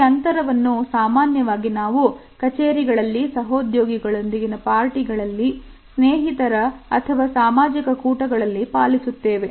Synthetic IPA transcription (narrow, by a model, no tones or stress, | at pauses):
ɐnt̪ɐɾɐʋɐnːusaːmaːnjɐʋaːɡinaːʋu | kɐt͡ʃeːɾiɡɐɭɐlːisɐɦoːd̪joːɡiɡɐɭo̞nd̪iɡinɐpaːɾʈiɡɐɭɐlːi | sneːɦit̪ɐɾɐɐt̪ʰɐʋaːsaːmaːd͡ʒikɐkuːʈɐɡɐɭɐlːipaːlisut̪ːeːʋe